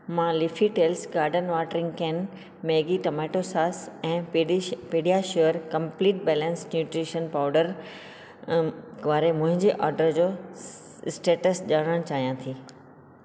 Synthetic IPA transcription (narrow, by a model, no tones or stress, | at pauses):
mãːlɪfʰiʈeːlsɡaːɾɖənʋaːʈəɾɪ̃ŋɡkɛːn | meːɡiʈɐmɛːʈosaːsɛ̃ːpeːɖijaʃuəɾkɐ̃mpliːʈ̚bɛːlɛ̃nsnjuːʈɾiːʃənpaːʊɖəɾ | ʋaːɾemʊ̃ɦɪ̃ɲd͡ʑeʔɔːɾɖəɾd͡ʑoː | ɪsʈeːʈəsʄaːɽ̃əɽ̃t͡ɕaːɦijãt̪ʰiː